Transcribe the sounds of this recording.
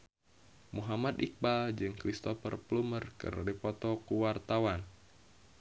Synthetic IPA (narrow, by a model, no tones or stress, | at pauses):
muɦamat̪ik̚bald͡ʒɨŋkɾist̪ɔfərplumərkɨ̰rdipɔt̪ɔkuwart̪awan